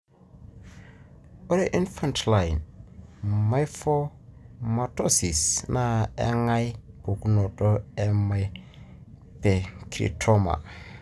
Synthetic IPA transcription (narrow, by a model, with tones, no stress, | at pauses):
o˦ɾe˦ʔi˦nfa˨ntla˨jn | ma˦jfɔ˦ | ma˨to˦si˨sna˦ɛ̰˦ŋa˦jb̥o˨ku˦nɔ˨tɔ˦ɛ˨maj | pe˨kɾḭ˨tʰo˦ma̰˨